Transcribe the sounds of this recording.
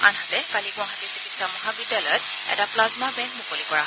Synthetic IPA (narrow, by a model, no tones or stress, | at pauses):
a̰nɦatɛkaliɡʊ̃aɦatisikitsamɔɦabidɛlɔjɔt̚ | ɛ̰taplazmabɛŋk̚mukolikɔɹa